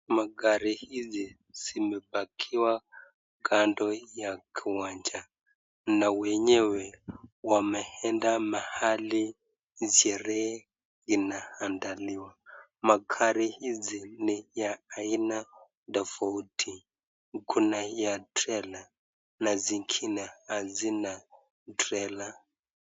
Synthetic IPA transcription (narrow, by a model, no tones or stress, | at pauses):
maɡaɾihizi | z̥imɛbakʰiwa | ɡandɔjakʰiwand͡ʒa | nawɛɲɛwɛwamɛhɛndamahali | ziɛɾɛ | zinahandaliwa | makʰaɾihizinijaːina | dafautʰi | ŋkʰunajatɾɛla | naziŋkʰinahazina | tɾɛla